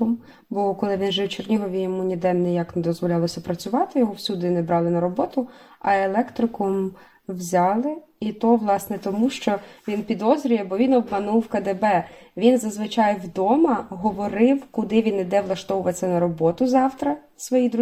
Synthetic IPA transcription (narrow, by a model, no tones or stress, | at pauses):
ɔm | bɔkɔlˠɪʋʲinʒɛwt͡ʃernʲiɦɔʋʲijɔmunʲid̪ɛnːɛjaknɛd̪ɔzʋɔlʲɑlˠɔsʲɐpɾɐt͡sʲʊʋɑt̪ɪjɔɦɔwsʲud̪ʊinɛbɾɑlˠɪnɐɾɔbɔt̪ʊɐelˠɛkt̪ɾɪkɔm | wzʲɑlˠɪ | it̪ɔʋlˠɑsnɛt̪ɔmuʃt͡ʃɔʋʲinpʲid̪ɔzɾʲʊjɛbɔʋʲinɔbmɐnuwkɐd̪ebɛʋʲinzɐzʋɪt͡ʃɑjwd̪ɔmɐɦɔʋɔɾɪwkʊd̪ɪʋʲinid̪ɛʋlˠɐʃt̪ɔʋʊʋɐt͡sʲːɐnɐɾɔbɔt̪ʊzɑwt̪ɾɐ | sʋɔjid̪ɾ